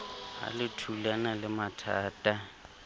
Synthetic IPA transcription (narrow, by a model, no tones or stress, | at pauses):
a̰lɪtʰulanalɪmatʰaːtʼa